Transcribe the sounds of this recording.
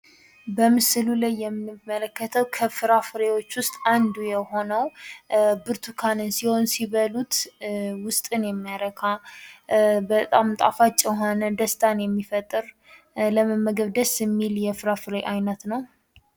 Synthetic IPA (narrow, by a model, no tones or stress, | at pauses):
bəmɨsɨlulajːɛmːimːələkːət̪ʰəwkʰəfɨɾafɨɾewo̞t͡ʃːwʊst̪ʼand̪ujɛho̞nəw | bɨɾt̪ʰukʰanɨnsiho̞nsiβəlut̪wʊst̪ʼɨnjɛmːijaɾəkʰa | bət̪ʼamt̪ʼa̰fat͡ʃʼɪɦonəd̪əst̪ʰʼanjɛmːifət̪ʼːɨɾ | ləməmːəɡəβd̪əsɨmːiljɛfɨɾafɨɾeʔajnət̪nəw